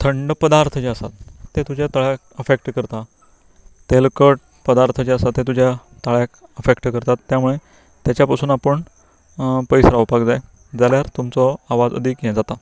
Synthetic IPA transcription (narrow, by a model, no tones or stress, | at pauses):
t̪ʰəɳɖpəd̪aɾt̪ʰət͡ɕeəsa̰t̪ːet̪ud͡ʑat̪aɭjak̚əfekʈkəɾt̪a | t̪elkəʈ | pəd̪aɾt̪ʰəd͡ʑeəsat̪ːet̪̬ud͡ʑja | t̪aɭjakəfekʈkəɾt̪at̪ːjamuɭe | t̪jat͡ɕapəsuːnapəɳ | pəjsɾaʋpakd͡zae | d͡zaljaɾt̪umt͡sɔaʋad͡zə̰d̪ʱikjẽd͡zat̪a